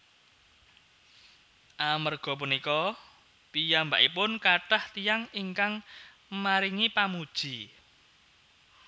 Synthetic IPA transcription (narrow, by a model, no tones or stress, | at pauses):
ʔamərɡ̥ɔ̤p̬unikɔ | pijamba̰ʔipʊnkaʈaht̪ijaŋiŋkaŋ | maɾiŋipamud̥ʒ̥i